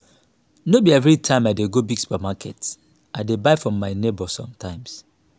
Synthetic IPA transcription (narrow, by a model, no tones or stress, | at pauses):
nobiɛvɹitʰãɪ̃maɪdeɡobiɡsu̥pɛmakʰɛt | ʔaɪdebaɪfɹɔ̃mːaɪnebɔsɔ̃mtʰãɪ̃ms